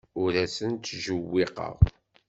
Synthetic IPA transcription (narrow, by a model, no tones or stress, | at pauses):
ʊɾæsənt̪ːʒəwːɪqə̰ʁ